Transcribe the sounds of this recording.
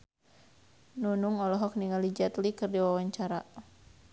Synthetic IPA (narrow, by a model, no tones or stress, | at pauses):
nunuŋɔlɔɦɔk̚niŋalid͡ʒat̪likɨrdiwawaɲt͡ʃaɾa